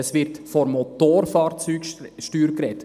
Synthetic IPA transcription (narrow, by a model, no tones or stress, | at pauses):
əsʋɪɾtfɔɾmotoːɾfɑːɾt͡syːkʃtyːɾkɾɛt